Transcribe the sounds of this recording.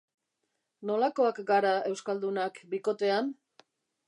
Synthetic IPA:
no̞lako̞akɡaɾae̞wskald̪unakbiko̞t̪e̞an

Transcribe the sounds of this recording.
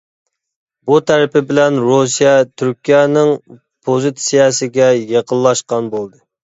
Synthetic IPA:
but̪ʰæɾɪpɪbɪlɛnɾusijɛt̪ʰyɾkʲijɛnɨŋ | pʰozɨt̪sijɑsɪɡʲɛjeqʰənlˠːɑʃqɑnbolˠd̪ɨ

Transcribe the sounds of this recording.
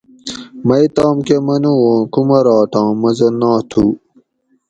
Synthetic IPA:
mɐjt̪aːmkemɐnuõːkumɐɾɑːʈãːmɐzɐnãːt̪ʰuː

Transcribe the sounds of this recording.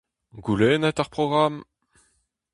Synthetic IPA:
ɡulɛːnɛt̪aʁpʁɔɡʁam

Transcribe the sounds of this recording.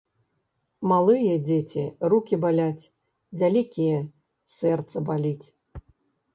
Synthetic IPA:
malˠɨjɛdʲetʲirukʲibalʲatʲ | vʲælʲikʲijɛ | sɛrt̪səbalʲitʲ

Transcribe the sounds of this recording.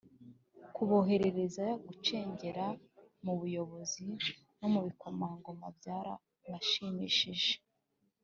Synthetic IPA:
kuβo̞ɦe̞ɾe̞ɾe̞zajoɡut͡ʃe̞ːɲɟe̞ɾa | muβujo̞βo̞zi | nomuβiko̞maːŋɡomabɟaːɾa̰ | βaʃimiʃiʒe̥

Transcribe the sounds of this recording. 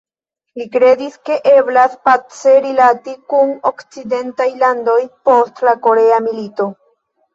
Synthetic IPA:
likɾe̞diske̞ʔeblaspat͡se̞ɾilatikuno̞kt͡side̞ntajlando̞jpo̞stlako̞ɾe̞amilito̞

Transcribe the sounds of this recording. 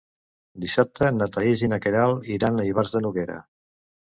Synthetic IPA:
d̪isap̚t̪ʰənat̪aizinakeɾalˠiɾanəiβaɾzðənuɣeɾə̰

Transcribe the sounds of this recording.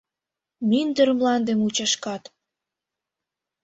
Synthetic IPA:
mind̪ə̆ɾmlɑnd̪emut͡ɕɑʃkɑt̪

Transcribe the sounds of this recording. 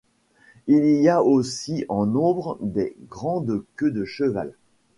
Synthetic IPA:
iliaosiʔɑ̃nɔ̃bʁəd̪eɡʁɑ̃d̪kʲød̪əʃəva̰l

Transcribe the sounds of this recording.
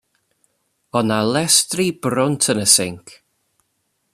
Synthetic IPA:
ɔnalɛstribɾʊntʰənəsɪŋkʰ

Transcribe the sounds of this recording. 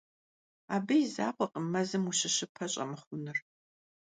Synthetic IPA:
aːbɐjiza̰ːqʷɔqəmɐzɨmuɕɪɕɪpʰɐɕʼɐ̰mɨχʷʊnɨr

